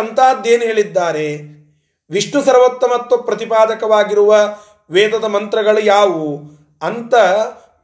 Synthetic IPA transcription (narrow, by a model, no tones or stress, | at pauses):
ɐnt̪aːd̪eːnuɦeːɭid̪ːaːɾe | ʋiʂɳusɐɾʋɐt̪ːɐmɐt̪ːɐpɾɐt̪ipaːd̪ɐkɐʋaːɡiɾuʋɐ | ʋeːd̪ɐd̪ɐmɐnt̪ɾɐɡɐɭujaːʋu | ɐnt̪ɐ